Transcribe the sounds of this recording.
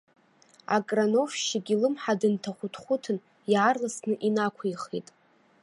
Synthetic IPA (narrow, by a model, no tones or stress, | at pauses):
a̰kʼrano̞fʃiɡʲilɨmħadɨntʰaχʷʊtʰχʷʊtʰɨn | jʕarlasnɨʔinakʷʰaiχḭtʼ